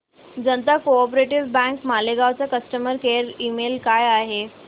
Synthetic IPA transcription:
d͡zənt̪akoɔp̬ɾeʈiʋbɛ̃ŋkmaleɡaʋt͡sakəsʈəməɾkeɾimelkajaɦe

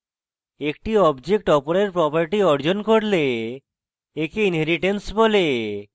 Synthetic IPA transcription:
ekʈiɔbd͡ʒek̚ʈɔpoɾeɾpɾɔpaɾʈiɔɾd͡ʑonkoɾle | ekeinɦeɾiʈensbole

